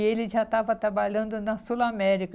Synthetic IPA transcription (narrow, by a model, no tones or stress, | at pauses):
eliʒat̪avɐt̪ɐbalʲɐ̃nd̪unɐsulamɛɾik